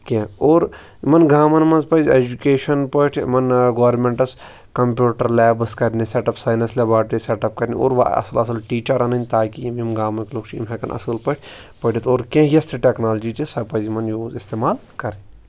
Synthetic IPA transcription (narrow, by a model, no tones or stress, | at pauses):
kẽoːɾ | mɐnɡaːmɐnmɐnzpɐzʲeːd͡ʒukeːʃɐnpɐʈʰmɐnɡoːɾmẽɳʈɐs | kɐmpjuːʈɐɾlɛːbɐskɐɾniseʈɐpsaːjnɐslebaːʈɾiseʈɐp̚kɐɾʲnḭo̰ːɾʋa̰ɐ̰sɐlɐsɐlʈiːt͡ʃɐɾɐnɐnʲt̪aːkiimimɡaːmɐnkʲloːkt͡ʃʰḭmɦekɐnʔɐ̰sɨlpɐʈʰʲ | pɐʈʰit̪oːɾkẽːjɐst̪ʰiʈeknaːld͡ʒit͡ʃesɐpɐzimɐnjoːzist̪eːmaːlkɐɾe